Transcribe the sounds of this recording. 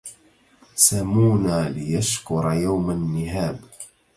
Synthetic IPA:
samuːnaːlɪjaʃkʊɾˤɑjawmanːɪhaːb

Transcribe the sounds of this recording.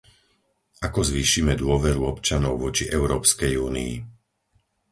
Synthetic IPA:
akɔzʋiːʃimɛd̪ʊɔʋɛɾuɔpt͡ʃanɔʊʋɔt͡ʃiʔɛʊɾɔːpskɛjuːnii

